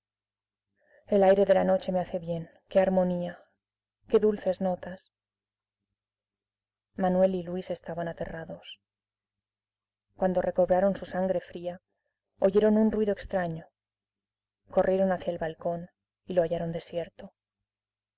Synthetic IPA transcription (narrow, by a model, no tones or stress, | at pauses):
e̞lajɾe̞ðe̞lano̞t͡ʃe̞me̞aθe̞βje̞ŋ | ke̞aɾmo̞nia | ke̞ðulθe̞zno̞t̪as | manwe̞lilwise̞st̪aβanat̪e̞̰raðo̞s | kwand̪o̞rʔe̞ko̞βɾaɾo̞nsusaŋɡɾe̞fɾia | oʝe̞ɾo̞nunrwiðo̞ekst̪ɾaɲo̞ | ko̞rʔje̞ɾo̞naθjaelβalko̞n | ilo̞aʝaɾo̞nd̪e̞sjeɾt̪o̞